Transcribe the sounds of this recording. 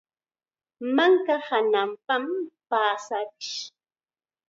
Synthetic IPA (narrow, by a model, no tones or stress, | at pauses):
maŋkahanampampaːsakɪ̥ʃ